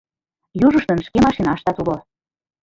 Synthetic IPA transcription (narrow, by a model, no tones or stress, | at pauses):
juʒəʃt̪ənʃkemɑʃinɑʃt̪ɑt̪ulo